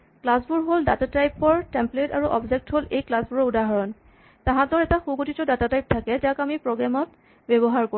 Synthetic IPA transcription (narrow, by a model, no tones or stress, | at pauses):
klasbuɹɦoldatatajpɔɹtɛmpletaɹuʔɔbzek̚tɦolejklasbuɹɔudaɦɔɹɔn | tãɦãtɔɹɛtaxukotitɔdatatajp̚tʰakɛtakamipɹɔɡɹamɔt | bɛβɔɦaɹko